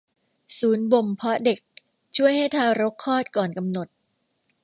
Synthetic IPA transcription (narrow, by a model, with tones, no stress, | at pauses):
suː˩˦nbo˨˩mpʰɔ˦˥de˨˩k̚ | t͡ɕʰu˥˩əjha˥˩jt̪ʰaː˧wɾo˦˥kʰːɔː˥˩t̪̚kɔː˨˩nka˧mno˨˩t̪̚